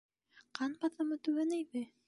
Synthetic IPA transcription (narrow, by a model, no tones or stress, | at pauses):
qɑnbɑθɤ̆mɤt̪ʉɡænæjβɘ